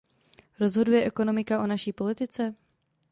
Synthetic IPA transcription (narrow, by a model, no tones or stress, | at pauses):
ɾo̞zɦo̞dujɛʔɛko̞no̞mɪkaʔo̞naʃiːpo̞lɪt̪ɪt͡sɛ